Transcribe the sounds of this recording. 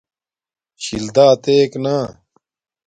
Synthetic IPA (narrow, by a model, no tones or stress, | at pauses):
ɕild̪aːt̪eːkna